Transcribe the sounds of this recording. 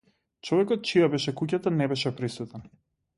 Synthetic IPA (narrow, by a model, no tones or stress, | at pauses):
t͡ʃɔvɛkɔt̪̚t͡ʃijabɛʃɛkucat̪anɛbɛʃɛpɾisut̪ɛn